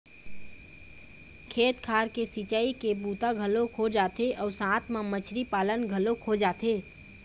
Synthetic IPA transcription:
kʰeːt̪kʰaːɾkesit͡ʃaːikebuːt̪aɡʱəlokʰod͡ʒaːt̪eʔɔːɾsãːt̪ʰmẽmət͡ʃʰɾipaːlənɡʱəlokʰod͡ʒaːt̪eː

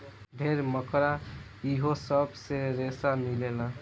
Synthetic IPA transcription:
bʱeɾməkɾa | iɦosəbseɾesamilelã

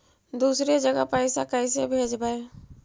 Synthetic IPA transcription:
d̪usɾed͡ʒəɡapaɪsakajsebʱed͡ʒbae

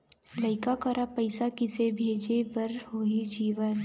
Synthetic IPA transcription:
lɐɪkakəɾapɐɪsakɪsebʱeːd͡ʒebəɾɦoid͡ʒiːʋən

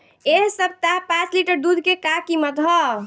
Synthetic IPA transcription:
eɦsəb̚ʱt̪aɦpãt͡ʃliʈəɾd̪ud̪ʱkekakimət̪ɦɔ

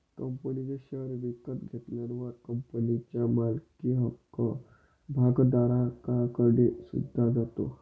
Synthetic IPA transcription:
kəmpəniɡeʃəɾʋikət̪ɡʱet̪lənʋaɾkəmpənit͡ɕamalkiɦəkːə | bʱaɡd̪aɾãkakəɽesṵd̪ʱːad͡zat̪o̰

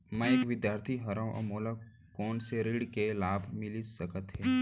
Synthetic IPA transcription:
mɛ̃eːkʋɪd̪jaːɾt̪ʰiɦɐɾawʔɔ̰moːla | koːnseɾiɽkelaːbʱmɪlisəkət̪ɦɛː

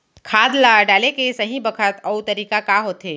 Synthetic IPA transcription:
kʰaːd̪laɖaːlekesɐɦĩbɐkʰət̪ɐut̪ɐɾiːkakaɦoːt̪eː

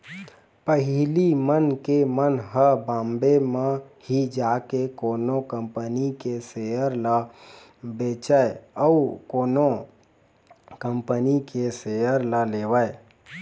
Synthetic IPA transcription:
pəɦilimənkemənɦəbãmbeme | hid͡ʒakekoːnokəmpənikeseəɾlə | bet͡ʃəeəukoːno | kəmpənikeseəɾləleʋəe

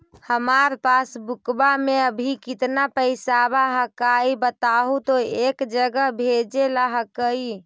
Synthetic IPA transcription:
həmaɾpasbukbameəbʱikit̪napəɪsabaɦəkaibət̪aɦut̪oekd͡ʒəɡəbʱed͡ʒelaɦəkəi

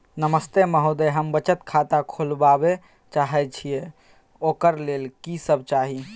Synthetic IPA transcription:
nəməst̪eməɦod̪ɛɦəmbət͡ʃət̪kʰat̪akʰolbabe | t͡ʃaɦɛt͡ʃʰije | okəɾlelkisəb̚ʱt͡ʃaɦi

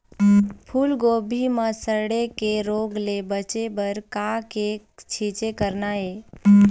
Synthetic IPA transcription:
pʰuːlɡoːbʱiməsəɾɽekeɾoːɡlebət͡ʃebəɾkake | t͡ʃʰit͡ʃekəɾnae

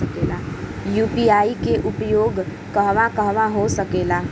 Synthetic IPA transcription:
əkelajupiaːikeʔʊpjoːɡ | kəɦʋakəɦʋaɦosəkela

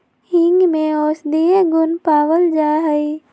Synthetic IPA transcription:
hɪ̃ŋɡmẽoːsd̪iẽɡʊnpaːwəld͡ʒaːɦəi

